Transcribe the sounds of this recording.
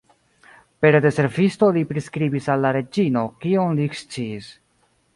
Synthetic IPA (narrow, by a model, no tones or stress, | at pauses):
pe̞ɾd̪e̞se̞ɾvisto̞lipɾiskɾibisalːaɾe̞d͡ʒino̞kionlikst͡siːs